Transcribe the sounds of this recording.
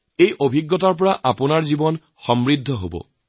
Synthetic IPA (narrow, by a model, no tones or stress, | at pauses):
ejʔobʱiɡːɔtaɹp̬ɔɹaʔapʊnaɹzibɔn | xɔmɹidʱːɔɦo̰bɔ̰